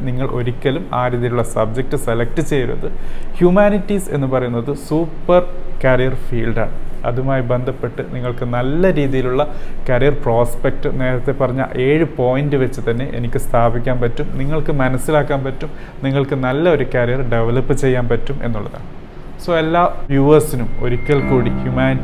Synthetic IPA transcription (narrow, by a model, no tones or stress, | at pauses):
niŋːɐɭʔo̞̰ɾikʲːɐluma̰ːɾiːðijiluɭːɐsɐb̚d͡ʑe̞k̚ʈɨselɐk̚ʈɨt͡ɕe̞jɾṵɐ̰ðɨhjumaːnitːise̞̰nːɨpɐrɐjunːɐðɨsuːpːɐrkɐrijɐrfiːlɖaːɳɨɐ̰ðumaːjibe̞nd̪ʱɐpːe̞ʈːɨniŋːɐɭkɨnɐlːɐɾiːðijiluɭːɐkɐɾijɐrproːspek̚ʈɨne̞ːɾɐt̪ːe̞pɐrɐɲːa̰lʔe̞ːɻɨpo̞ːjindɨʋɐt͡ɕːɨt̪ɐnːe̞ʔḛnikʲːɨst̪ʰaːbikʲːaːnpɐtːumniŋːɐɭkɨmɐnɐsːilaːkːaːnpɐtːum | niŋːɐɭkɨnɐlːɐo̞ɾukɐɾijɐrɖe̞ʋɐlɐpːɨt͡ɕe̞jːaːnpɐtːume̞nːuɭːɐða̰ːɳɨ | so̞ːelːaːʋjuːʋɐrsinumo̞̰ɾukʲːɐɭkuːɽihjumaːni